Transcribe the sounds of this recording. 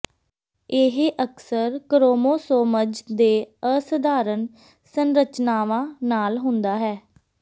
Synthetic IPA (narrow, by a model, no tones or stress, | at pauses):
ɪɦeʔəksəɾkəɾoːmoːsoːməd͡ʒd̪eːəsəd̪ʱaːɾən | sənɾət͡ʃnaːʋãːnaːlɦʊnd̪aːɦɛː